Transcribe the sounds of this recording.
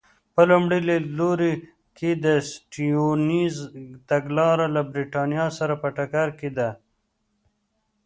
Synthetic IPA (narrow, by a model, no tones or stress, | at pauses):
pəlumɽileloɾi | ked̪əsʈionizt̪aɡlɑːɾalabɾiʈɑnjɑsaɾapəʈakaɾked̪a